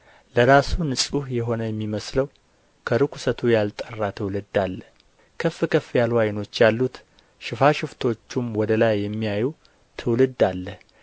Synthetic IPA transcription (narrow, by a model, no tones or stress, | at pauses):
ləɾasunɨsʼuhjɛɦo̞nəjɛmːiməsləw | kʰəɾɨkʰu̥sət̪ʰujalt̪ʼərːat̪ʰɨwlɨd̪alːə | kʰəfːɨkʰəfːjalwajɪno̞t͡ʃːjalːut̪ | ʃɪfaʃɪft̪ʰo̞t͡ʃːumwɔd̪əlajːɛmːijaju | t̪ʰɨwlɨd̪alːəh